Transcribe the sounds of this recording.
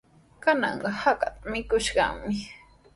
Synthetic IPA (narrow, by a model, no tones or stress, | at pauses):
kanɑ̰ɴɢɑhakat̪amɪkʊʃɢɑ̰mɪ